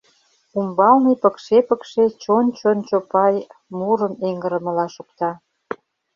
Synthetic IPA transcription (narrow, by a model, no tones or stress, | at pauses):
umbɑlnipəkʃepəkʃet͡ɕont͡ɕont͡ɕopɑjmuɾəmeŋɡəɾə̆mə̆lɑʃukt̪ɑ